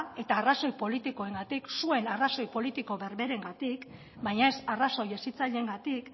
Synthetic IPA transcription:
e̞t̪aːraso̞jpo̞lit̪iko̞e̞ŋɡat̪iksue̞naraso̞jpo̞lit̪iko̞βe̞ɾβe̞ɾe̞ŋɡat̪ik | bajɲae̞saraso̞je̞sit͡saʎe̞ŋɡat̪ik

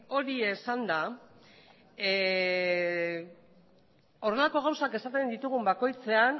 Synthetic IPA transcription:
o̞ɾie̞sand̪a | o̞re̞lako̞ɣ̞awsake̞sat̪e̞nd̪it̪uɣ̞umbako̞jt͡se̞an

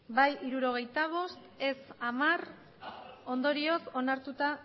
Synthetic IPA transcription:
bajʔiɾuɾo̞ɣ̞e̞jt̪aβ̞o̞st̪e̞samar | o̞nd̪o̞ɾio̞so̞naɾt̪ut̪a

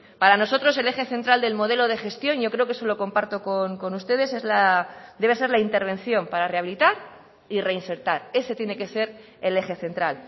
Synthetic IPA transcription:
paɾano̞so̞t̪ɾo̞se̞le̞xe̞θe̞nt̪ɾald̪e̞lmo̞ð̞e̞lo̞ð̞e̞xe̞st̪jo̞nʝo̞kɾe̞okeso̞lo̞ko̞mpaɾt̪o̞koŋko̞nust̪e̞ð̞e̞se̞zlad̪eβe̞se̞ɾlaint̪e̞ɾβ̞ẽ̞nθjo̞mpaɾare̞aβilit̪aɾ | ire̞inse̞ɾt̪aɾe̞se̞t̪je̞ne̞ke̞se̞ɾ | e̞le̞xe̞θe̞nt̪ɾal

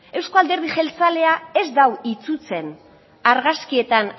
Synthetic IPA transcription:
e̞wsko̞ald̪e̞ɾðiʝe̞lt͡sale̞ae̞zd̪awit͡sut͡se̞n | aɾɣaskie̞t̪an

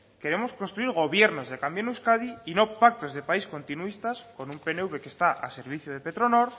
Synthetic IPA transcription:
ke̞ɾe̞mo̞sko̞nst̪ɾuiɾɣ̞o̞βje̞ɾno̞zðekambjonuskaðiino̞pak̚t̪o̞zðe̞paisko̞nt̪inuist̪asko̞numpe̞neuβe̞kest̪aʔa̰se̞ɾβ̞iθjoð̞epe̞t̪ɾo̞no̞ɾ

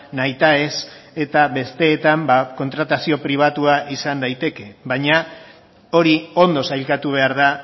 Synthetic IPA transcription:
najt̪ae̞se̞t̪aβe̞st̪e̞ːt̪ambako̞nt̪ɾat̪asio̞pɾiβ̞at̪uaʔisand̪ajt̪e̞ke̞βaɲa | o̞ɾio̞nd̪o̞sajlkat̪uβ̞e̞aɾð̞a

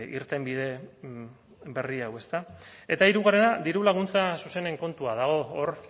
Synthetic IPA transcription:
iɾt̪e̞mbiðe̞ | be̞riawe̞st̪ae̞t̪aiɾuɣaɾe̞nad̪iɾulaɣunt͡sasuse̞ne̞ŋko̞nt̪uaðaɣ̞o̞ːr

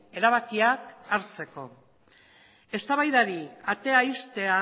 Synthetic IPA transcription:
e̞ɾaβ̞akiakaɾt͡se̞ko̞̰ | e̞st̪aβajðaɾiat̪e̞aist̪e̞a

